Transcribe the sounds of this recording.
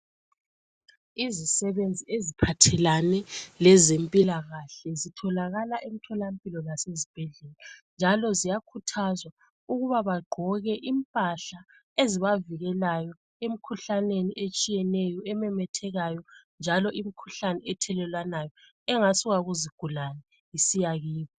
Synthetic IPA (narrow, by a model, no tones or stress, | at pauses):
izisɛβend͡zʱiezipʰatʰɛlanɛlɛzempʼilaɣaɬɛzitʰɔlaɣalaʔem̩tʰɔlampʼilɔnasezib̥ʱɛɮɛland͡ʒʱalɔzijakʰutʰazwa | uɣuβaβaɡ͡ǃʱɔɣɛʔimpʼaɬa | eziβaviɣɛlajɔ | em̩kʰuɬaneniʔet͡ʃʼijɛnɛjɔɛmɛmɛtʰɛɣajɔnd͡ʒʱalɔʔimikʰu̥ɬanɛɛtʰɛlɛlwanajɔ | ɛŋasuɣaɣuziɡ̥ʱulanɛ | isijaɣiːβɔ